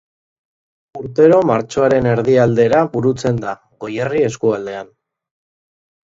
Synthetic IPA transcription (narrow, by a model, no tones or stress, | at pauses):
uɾt̪e̞ɾo̞maɾt͡ʃo̞aɾe̞ne̞ɾðiald̪e̞ɾaβuɾut͡se̞nd̪a | ɣo̞jerie̞skuald̪e̞an